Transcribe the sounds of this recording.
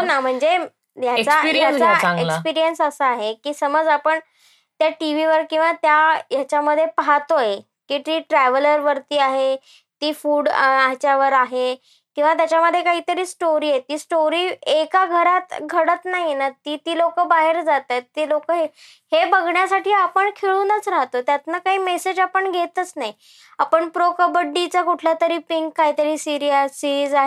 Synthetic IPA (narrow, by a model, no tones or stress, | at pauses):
ɦonam̤əɳd͡ze | t̪jat͡sajat͡saaɡekspiɾijənsəsəaɦekiːsəməd͡zapəɳ | t̪jaʈiʋiʋəɾkĩw̃ʋat̪jajat͡ɕjaməd̪ʱːjepaɦat̪oje | kiʈiːʈɾɛʋələɾʋəɾt̪iːaɦe | t̪iːfuːɽat͡ɕjaʋəɾaɦe | kĩw̃ʋat̪jat͡ɕjaməd̪ʱːjekaɦiːt̪əɾiːsʈoɾiːjet̪iːsʈoɾiːekaɡʱəɾat̪ɡʱəɽət̪naɦinat̪iːt̪iːlokəbaɦeɾd͡zat̪et̪ːiːlokəɦe | hebəɡɳjasaʈiːapəɳkʰeɭunət͡sɾaɦt̪ot̪jat̪nakaɦiːmesed͡ʑapəɳɡʱet̪ət͡snaɦj | apəɳpɾokəbəɖːit͡sakuʈʰlat̪əɾiːpiŋkːaɦiːt̪əɾiːsiɾiasiɾiːd͡zaɦe